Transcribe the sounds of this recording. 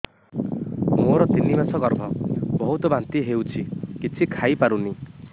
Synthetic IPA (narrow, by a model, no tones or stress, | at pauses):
moɾɔt̪inːimasɔɡɔɾbʱɔbɔɦut̪ɔbant̪iɦewt͡ʃʰikit͡ʃʰikʰajpaɾuni